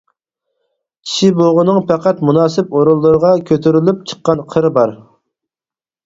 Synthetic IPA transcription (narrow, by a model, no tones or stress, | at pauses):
i̥ʃiboʁʊnɨŋpʰɛqʰæt̪munɑːsɪp̚oɾulˠːɨɾəʁɑkʲʰøt̪ʰyɾylyp̚t͡ʃʰə̥qːɑnqʰəɾbɑɾ